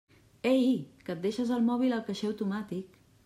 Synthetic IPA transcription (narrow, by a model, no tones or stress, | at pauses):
eikət̪̚eʃəzəlˠmɔβ̞iləlˠkəʃeəwt̪umat̪ik